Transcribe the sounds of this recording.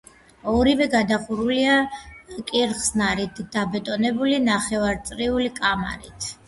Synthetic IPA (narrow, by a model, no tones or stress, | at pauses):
ɔɾivɛɡad̪aχuɾuliakʼiɾχsnaɾit̪ʰd̪̥abɛt̪ʼɔnɛbulinaχɛvaɾt̪sʼɾiulikʼama̰ɾit̪ʰ